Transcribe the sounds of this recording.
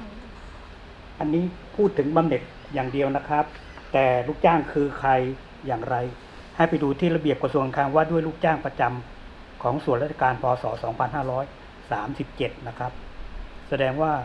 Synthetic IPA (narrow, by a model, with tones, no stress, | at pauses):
ʔa˧nːiː˦˥˩pʰuː˥˩t̪ʰːɯ˩˦ŋba˧mne˨˩t̪̚ | jaː˨˩ŋdi˧əwna˦˥kʰa˦˥p̚ | t̪ɛː˨˩luː˥˩k̚t͡ɕaː˥˩ŋkʰɯː˧kʰa˧jː | aː˨˩ŋɾa˧j | ha˧˩jpa˧jduː˧t̪ʰiː˥˩la˧bi˨˩əp̚ka˧su˧ŋa˧nkʰaː˧˩ŋwaː˧˥˩du˥˩əjluː˥˩k̚t͡ɕaː˥˩ŋpa˧t͡ɕa˧m | kʰɔː˩˦ŋsu˨˩ənɾa˦˥t̪ʰa˧kaː˧npʰɔː˧sɔː˩˦sɔː˩˦ŋpʰa˧nɦaː˥˩ɾɔː˦˥j | saː˩˦msi˨˩p̚t͡ɕe˨˩t̪̚na˦˥kʰa˦˥p̚sa˧dɛː˧ŋwaː˥˩